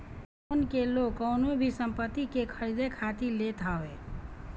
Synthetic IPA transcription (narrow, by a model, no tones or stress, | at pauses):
ʊnkelokːəʊnobʱisəmpət̪ːikekʰəɾid̪ekʰat̪ilet̪ʰaʋe